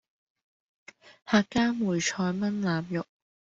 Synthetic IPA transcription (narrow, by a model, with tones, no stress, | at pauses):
haː˨kːaː˥muː˨˩jt͡ʃʰɔː˧jmɐ˥nlaː˨mjʊ˨k̚